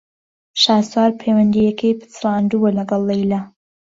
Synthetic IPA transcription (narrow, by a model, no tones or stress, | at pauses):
ʃaːswaːɾpʰejwɐnd̪ijɛkʰejpʰɨ̥t͡srɑːnd̪ubɐlɐɡɐlˠːejla